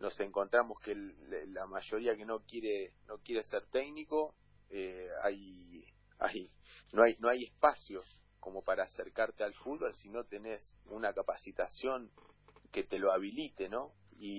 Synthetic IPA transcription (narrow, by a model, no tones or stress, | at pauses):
no̞se̞ŋko̞nt̪ɾamo̞skeelamaʒo̞ɾiake̞no̞kjeɾeno̞kje̞ɾeseɾt̪eɡniko̞ | ea̰j | a̰jnoajno̞aje̞hpasjo̞s | ko̞mo̞paɾaːseɾkaɾt̪ealfud̪̚βolsino̞t̪e̞ne̞sunakapasit̪asjo̞ŋke̞t̪e̞lo̞aβilit̪e̞no̞ | i